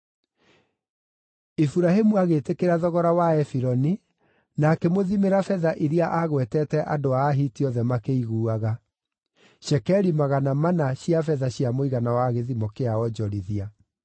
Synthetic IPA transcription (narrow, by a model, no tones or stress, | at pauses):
efuɾaɦemuaɣetekeɾaðɔɣɔɾawaɛfiɾɔni | nakɛmoðimeɾafɛðaʔiɾiaʔaɣwɛtɛtɛʔadoaːɦitiɔðɛmakeiɣuːaɣa | ʃɛkɛɾimaɣanamanaɕjafɛðaɕjamoiɣanawaɣeðimɔkeaɔd͡ʒɔɾiðia